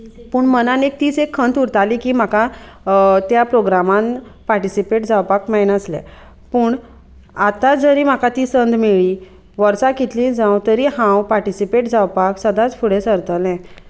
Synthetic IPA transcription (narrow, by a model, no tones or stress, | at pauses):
puːɳmənanek̚t̪iːt͡sekʰːənt̪uɾt̪alikiːm̤aka | t̪japɾoɡɾamãnpaɾʈisipeʈd͡zawpakmajnəslɛ̰ | puːɳ | at̪ad͡zəɾiːm̤akat̪iːsənd̪meɭi | ʋəɾsakit̪lĩd͡zãwt̪əɾiɦãwpaɾʈisipeʈd͡zawpaksəd̪ãt͡sfʰuɽesəɾt̪əlɛ̃